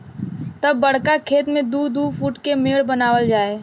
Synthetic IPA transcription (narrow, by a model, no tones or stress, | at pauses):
t̪əbːəɽ̤kakʰeːt̪mẽd̪uːd̪uːpʰuːʈkemeːɭbənaːwəld͡ʒaːeː